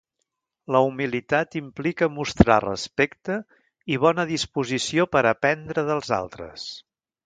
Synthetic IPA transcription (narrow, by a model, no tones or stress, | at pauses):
ləumilit̪at̪implikəmust̪ɾa̰rə̰spɛkt̪ə | iβ̞ɔnəðispuzisiopəɾəpɛnd̪ɾəðəlˠza̰lˠt̪ɾə̰s